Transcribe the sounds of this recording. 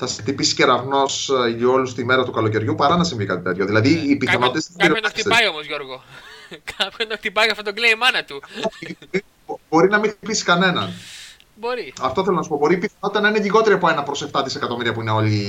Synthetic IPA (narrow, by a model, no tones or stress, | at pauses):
θɐsixt̪ipisi̥ceɾɐvno̞so̞lust̪ime̞ɾɐt̪ukɐlo̞ce̞ɾʝupɐɾɐnɐsiɱvikɐt̪it̪e̞t̪ço̞ðilɐðiːpiθɐno̞t̪it̪est̪isiɾiɐt̪ipɐio̞mozʝo̞ɾɣokɐpod̪ɐxt̪ipɐjɐft̪ot̪oɡleimɐnɐt̪uoioi | bo̞ɾinɐmixt̪ipisi̥kɐne̞nɐn | boɾiɐft̪o̞θelo̞nɐsu̥po̞bo̞ɾipiθɐnt̪it̪ɐnɐineʎiɣo̞t̪e̞ɾiɐpoe̞nɐpɾo̞se̞ft̪ɐðise̞kɐt̪o̞miɾiɐpuineo̞li